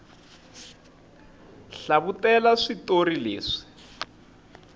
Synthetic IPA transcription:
ɬaβutɛlaʂitorilḛːʂi̥

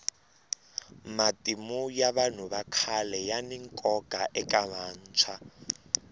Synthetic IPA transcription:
matʼimujaβan̤uβakʰalɛjaniŋkʼɔɡ̥ʱaʔɛkʼamaːn̩t͡sʰa

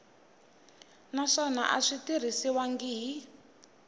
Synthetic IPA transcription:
naʂɔna̰ʔa̰ʂitiɾ̤isiwaŋɡiɦi

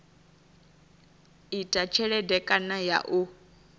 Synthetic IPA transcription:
itʼat͡ʃʰɛɺɛdɛkʼanaja̰ʔu

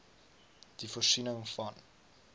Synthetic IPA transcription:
d̥ifɔrsinəŋfɐn

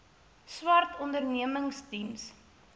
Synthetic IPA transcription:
swɐrtɔndərniəməŋstims

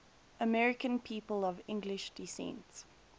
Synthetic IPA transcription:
əmɛɹɪkə̃npʰiːpəlɔvɪ̃ŋɡlɪʃd̥isɛ̰̃nts

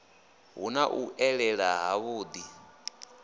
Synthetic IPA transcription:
ɦunaʔuʔɛɺɛɺaɦaβuːd̪i

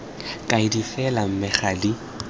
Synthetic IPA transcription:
kʼaidifɛlam̩mɪχali

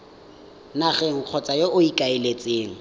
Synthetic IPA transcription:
naɣɛŋ̩q͡χʰɔt͡sʼajoʔʊikʼaɪlet͡sʼeːŋ̩

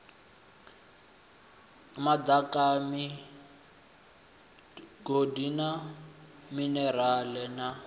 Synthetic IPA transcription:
mad̪akami | ɡodina | minɛralɛna

